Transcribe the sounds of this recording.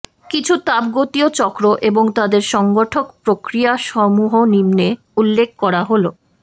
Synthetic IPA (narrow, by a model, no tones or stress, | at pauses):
kit͡ɕʰut̪abɡot̪iot͡ɕɔkɾoʔeboŋt̪ad̪eɾʃɔŋɡoʈʰokpɾokɾijaʃɔmuɦonimne | ulːek̚ʰkɔɾaɦolo